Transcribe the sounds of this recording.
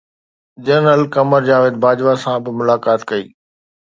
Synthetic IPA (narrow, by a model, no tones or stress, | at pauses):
d͡ʑəɾnəlkɐməɾd͡ʑaːʋɪːd̪̚baːd͡ʑʋasãbɪmʊlaːkaːt̪kɐḭː